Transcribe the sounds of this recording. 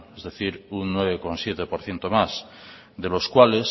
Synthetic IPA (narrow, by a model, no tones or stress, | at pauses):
ezðeθiɾunnweβ̞ekonsjet̪epoɾθjent̪omas | ðeloskwales